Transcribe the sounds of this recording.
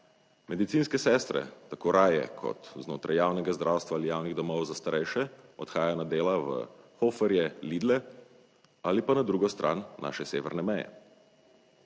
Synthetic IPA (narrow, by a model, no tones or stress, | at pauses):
mɛd̪it̪siːnskɛsɛːst̪ɾɛ̰t̪akoːɾaːjɛ̰kʰɔ̰t̪znoːt̪ɾajaːwnɛɡazd̪ɾʔaːwst̪ʋaːlijaːwniɣd̪ɔmɔwzast̪aɾɛjʃɛɔt̪xaːjajanad̪eːlaʋə̰xofɛɾjɛliːd̪lɛ | alipanad̪ɾuːɡɔst̪ɾʔa̰ːnːa̰ːʃɛseːʋɛɾnɛmɛjɛ̰